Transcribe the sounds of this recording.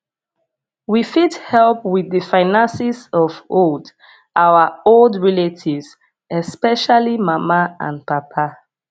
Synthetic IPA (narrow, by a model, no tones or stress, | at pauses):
wifidhɛlˠpwiðəfaɪnãnsizɔvold | ʔawəoldɹɛletʰivz̥ | ɛspɛʃalimamaã̰npapʰa